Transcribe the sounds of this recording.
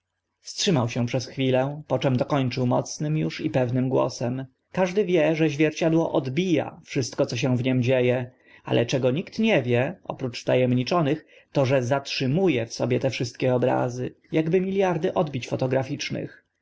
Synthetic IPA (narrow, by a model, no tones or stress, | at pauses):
fstʂɘmawɕɛ̃pʂɛsxfʲilɛpɔt͡ʂɛmd̪ɔkɔɲt͡ʂɘwmɔ̰t̪snɘmjuʂipɛvnɘmɡwɔ̰sɛm | kaʐd̪ɘvʲjɛʐɛʑvʲjɛɾt͡ɕad̪wɔʔɔd̪bʲija̰fʂɘst̪kɔt̪sɔɕ̬ɛ̃w̃vɲɛmd͡ʑejɛ | a̰lʔɛt͡ʂɛɡɔɲikt̪ɲɛvʲjɛʔɔ̰pɾut͡ʂt̪ajɛmɲit͡ʂɔnɘx | t̪ɔʐɛzatʂɘmujɛfsɔbʲjɛt̪ɛfʂɘst̪̚kʲɛɔbɾa̰zɘ | jaɡbɘmʲilʲjaɾd̪ɘʔɔd̪bʲit͡ɕfɔt̪ɔɡɾafʲit͡ʂnɘ̰x